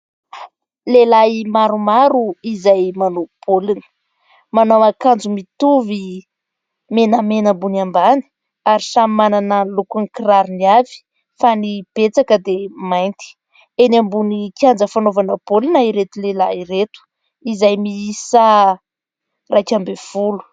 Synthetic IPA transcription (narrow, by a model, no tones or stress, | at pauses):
lelaimaɾumaɾuizajmanob̥ʰolinə̥ | manawakand͡zumit̪uvi | menəmenəmbunambani̥ | aɾisamimananəlukunikiraɾiniavi̥ | fanib̥et͡sakəd̪emajnt̪i̥ | enambunikʲiand͡zəfanovanəb̥olinaiɾet̪ulelairet̪u̥ | izajmiisa | rakʲambev̥ulu̥